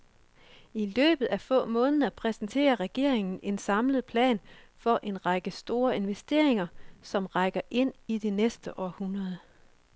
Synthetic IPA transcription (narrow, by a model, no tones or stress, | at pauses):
ilø̰ːb̥ð̩ˠæfɔ̰̽ːmɔ̽ːnəð̩ˠɐpʰʁɛsn̩t͡sʰe̝̰ːɐʁɛɡ̥e̝ɐ̰eŋn̩e̝nsɑ̈mləð̩ˠpʰlɛ̰ːnfɒ̽ʔe̝nʁɑ̈ɡ̥əsd̥o̝ːɐe̝nʋesd̥e̝̰ɐ̰e̝ŋɐsɒ̽mʁɑ̈ɡ̥ɐʔe̝n̰id̥enesd̥əʔɒhunʁɐð̞ˠ